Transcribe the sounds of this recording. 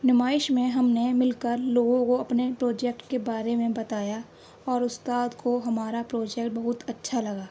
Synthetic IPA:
nɪmaːɪʃmẽɦɐmnemɪlkəɾloːɡõkoɐpnepɾoːd͡ʒɛːk̚ʈkebaːɾemẽbɐt̪aːja | ɔːɾʊst̪aːd̪koɦɐmaːɾapɾoːd͡ʒɛːkʈ̚bɐɦʊt̪ɐtːʃʰalɐɡaː

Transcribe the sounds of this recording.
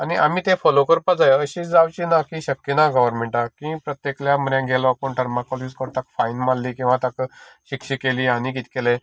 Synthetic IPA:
aniʔam̤iːt̪ẽfɔlokəɾpad͡zajəɕiːt͡sd͡zawt͡ɕiːnakiɕəkːjenaɡəʋəɾmeɳʈakĩpɾət̪jekljam̤əɾjãɡʱelɔkoɳʈəɾmakɔliskəɾt̪akfainmalːiːkĩw̃ʋat̪akɕikɕiːkeliːañikit̪kelɛ

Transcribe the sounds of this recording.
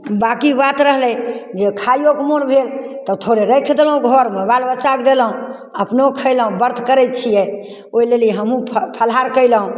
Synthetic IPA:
bakibat̪ɾəɦlɛd͡ʒekʰajokemoɾbʱelt̪ɔt̪ʰoɾeɾəkʰd̪eləɦũɡʱɔɾmebalbət͡ʃakd̪eləɦũ | əpnokʰəɪləɦũbəɾd̪ʰʱkəɾɛjt̪̚t͡ʃʰijɛ | oilelɦəmũpʰəlɦaɾkəɪləɦũ

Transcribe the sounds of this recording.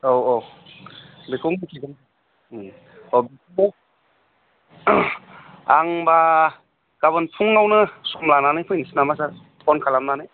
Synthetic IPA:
ɔwɔ | bikʰɯwmikʰiɡɯŋ | ɔbik̚ʰuw | aŋba | ɡ̥aβɯnpʰuŋːawnɯsɔmlananɯjpʰɯjnisinamas̬aɾ | ɔnkʰalamnanɯj

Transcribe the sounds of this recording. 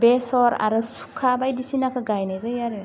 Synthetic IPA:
besɔɾa̰ɾɯsu̥kʰːabajdisinakʰɯɡajnajzɯjaɾe

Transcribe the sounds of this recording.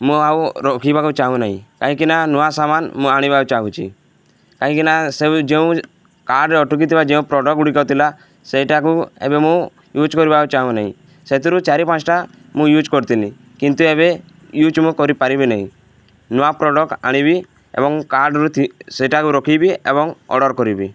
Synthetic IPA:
mũawɾɔkʰibakut͡ʃaɦũnaɦḭ̃kaɦĩkinanɔasamanmũaɽ̃ibaut͡ʃaɦũt͡ʃʰḭ | kaɦĩkinased͡ʒeũ | kaɾɖɾeɔʈuk̬it̪ʰibad͡ʒeũpɾɔɖɔkuɽikat̪ʰila | seiʈakuḛbemũ | jud͡ʒkɔɾibakut͡ʃaɦũnaɦḭ̃ | set̪iɾut͡ʃaɾipãt͡ʃʈa | mũjud͡ʒkɔɾt̪ini | kint̪ueβe | jud͡ʒmũkɔɾipaɾibinaɦḭ̃ | nɔapɾɔɖɔka̰ɽ̃ibi | ḛbɔŋkaɾɖɾut̪iseʈakuɾɔkʰibiḛbɔŋɔ̰ɽɔɾkɔɾibi

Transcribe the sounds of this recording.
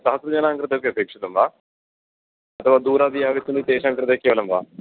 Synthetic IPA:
sɐɦɐsɾud͡ʑaːnaːŋkɾɨt̪ɐkːeɐpeːkʂit̪ɐmʋaː | ɐt̪ʰɐʋaːd̪uːɾaːd̪ijaʋit̪ːunit̪eːʃaːŋkɾɨt̪ekːeʋɐlɐmʋa̰ː

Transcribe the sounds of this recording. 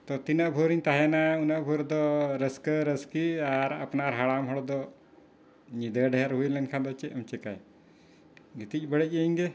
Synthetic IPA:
t̪ɔt̪inəʔbʱuɾiɲt̪aɦɛnaunaʔbʱuɾd̪ɔɾəskəɾəskiaɾa̰pnaɾɦaɽamɦɔɽd̪ɔ | ɲid̪əɖɛaɾɦujlɛnkʰad̪ɔt͡ʃɛʔəmt͡ʃɛkaj | ɡit̪ic̚ˀbəɽəc̚əiɲɡɛ

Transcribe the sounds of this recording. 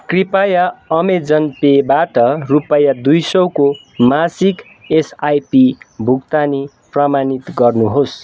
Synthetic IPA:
kripajaʌmed͡zʌnpebaʈʌrupajad̪ujsʌwko | masik | esajpibʱukt̪ani | pramanit̪ɡʌrnuɦos

